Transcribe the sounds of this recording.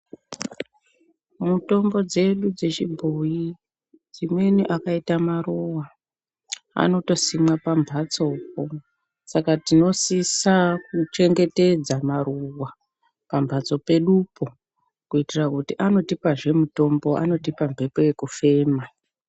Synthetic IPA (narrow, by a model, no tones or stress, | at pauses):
muto̞mbo̞d͡ze̞ɗud͡ze̞t͡ʃibʱoji | d͡zimwe̞niʔakaitamarowa | a̰no̞to̞simwapambʱat͡so̞ːp̚o̞ | sakatino̞sisakut͡ʃe̞ŋɡe̞te̞d͡zamaruwa | pambʱat͡so̞pe̞ɗupo | kuitirakutiʔano̞tipaʐe̞muto̞mbo̞a̰no̞tipambʱe̞peje̞kufe̞ːma